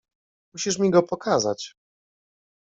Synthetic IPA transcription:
muɕiʂ̬mʲiɡɔpɔkʰaza̰t͡ɕ

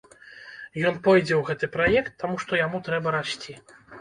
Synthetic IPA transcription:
jɔnpɔjd͡zʲɛwɣɛt̪ɨpɾajɛkt̪ːamuʂt̪ɔjamut̪ɾɛbɐɾaɕʲt͡sʲi

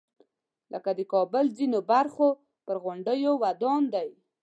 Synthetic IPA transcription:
lʔə̰kad̪əkɑbəlzinobaɾxo | pəɾɣʊɳɖəjowad̪ɑnd̪aj

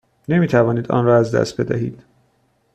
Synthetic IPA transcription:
ne̞miːt̪ʰævɒːniːd̪ɒ̰ːnɾɒːæzd̪æ̰st̪̚be̞d̪æɦḭːd̪̥

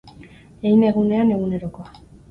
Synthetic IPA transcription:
ejneɣune̞ane̞ɣune̞ɾo̞ko̞a

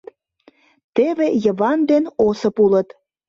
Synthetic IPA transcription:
t̪ | t̪eβejəβɑnd̪enosə̆pulət̪

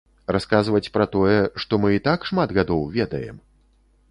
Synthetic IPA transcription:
raskazvɐt͡sʲpɾɐt̪ɔjɛʂt̪ɔmɨit̪akʂmad̪ɣad̪ɔwvʲɛd̪ɐjɛ̰m

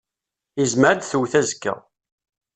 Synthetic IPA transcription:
izməɾd̪θuwθæzkːə̰ʁ

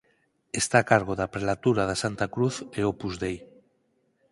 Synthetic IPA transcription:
est̪akaɾɣ̞oðapɾelat̪uɾað̞asant̪akɾuθeopuzðej

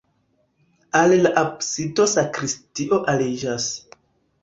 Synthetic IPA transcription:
allaʔapsitosakɾistiʔo̞ʔalid͡ʒas

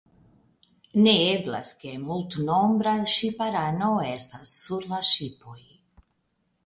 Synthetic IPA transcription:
neebla̰ske̞multno̞mbɾaʃipaɾano̞estasːuɾlaʃipo̞j

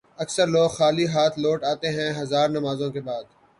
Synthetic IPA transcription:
ɐksəɾloːɡxaːliɦaːt̪ʰloːʈaːt̪eɦɛ̃ɦɐzaːɾnɐmaːzõkebaːd̪

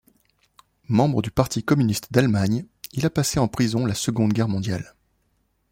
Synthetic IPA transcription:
mɑ̃bʁəd̪ypaʁt̪ʰikɔmynist̪d̪almaɲilapaseɑ̃pχizɔ̃lasəɡɔ̃d̪ɡʲɛʁmɔ̃d̪jal

